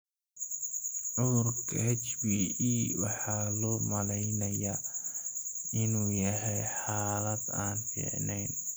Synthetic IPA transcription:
ʕʊðʊrkʰɐ̰hɛt͡ʃbiiːwɑ̰ħɑːlɔːmɐlɛjnɐjaː | ɪnuːjɐɦɛjħaːlɐd̪aːnfḭːʕnɛjn

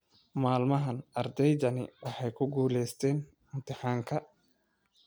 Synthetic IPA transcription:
maːlmɐɦɐnʔɐrd̪ɛjd̪ɐnɪwɑħɑjkʰʊɡuːlɛjst̪ʰɛːn | ɪmt̪ʰɪħaːŋkʰɐ

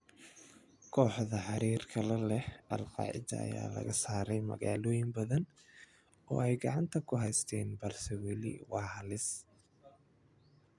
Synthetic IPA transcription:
kʰɔːħðɐħɑɾiːrkʰɐlɛlɛhɐlqɑ̰ːʕɪ̰d̪ɐ̰ɐ̰ja̰ːlɐ̰ɣɐsaːɾɛjmɐ̰ɣaːlɔːjɪmbɐðɐn | ɔ̰ːɛjɡɑʕɑnt̪ʰɐkʰʊɦɛjst̪ʰɛːnbɐrsɔwɛlɪ̰wɑːhɐlɪs

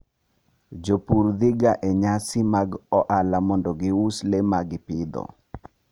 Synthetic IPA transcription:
d͡ʒopuɾd̪ɪɡaʔeɲasɪmaɡɔʔalamɔndɔɡɪuslemaɡɪpɪd̪ɔ̰

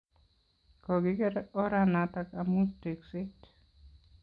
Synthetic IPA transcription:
kɔɡɪkɛɾɛɔɾanat̪akamuteksɪt

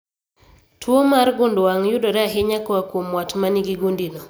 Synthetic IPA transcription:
tʰwomaɾɡʊndowaŋjudɔɾaɦeɲakɔakwomwatmaniɡiɡundinɔ

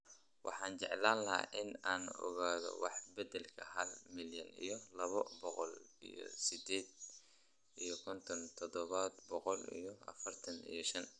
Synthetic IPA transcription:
wɑ̰ħɑːnt͡ʃɛʕlaːnlɐɦa̰ʔɪnaːnɔ̰ɣaːðɔ̰wɑħbɛd̪ɛlkʰɐɦɐlmɪljɐnḭjɔlɐβɔbɔqɔlijɔ̰sɪd̪ɛːd̪̚ | ʔijɔkʰɔnt̪ʰɔnt̪ʰɔd̪ɔβad̪bɔqɔlḭjɔɐ̰fɐrt̪ʰɐnḭjɔʃɐn

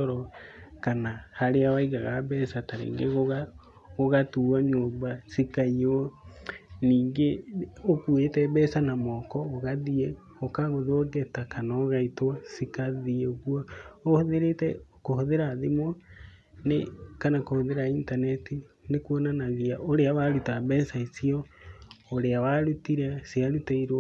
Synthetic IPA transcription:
ɔɾɔkanahaɾeawaiɣaɣaβɛːsataɾḛːŋɡeɣoɣa | ɣoɣatuaɲoːmbasikaiɔ | niːŋɡeokuetɛbɛsanamɔkɔoɣaðiɛ | okaɣoðoɡɛtakanaɣaitwasikaðieoɣuɔohoðeɾetɛkohoðeɾaðimɔ | nekanakohoðeɾaintanɛtinekuɔnanaɣiaʔoɾeawaɾutaβɛsaisiɔ | oɾeawaɾutiɾasiaɾutaiɾ

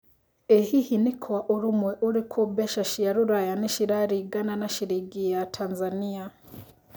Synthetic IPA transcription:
ehihinikʰwaʔuɾumweʔuɾikʰobeʃaʃijaɾuɾajaneʃiɾaɾiɡananaʃiɾiɡijatʰanzania

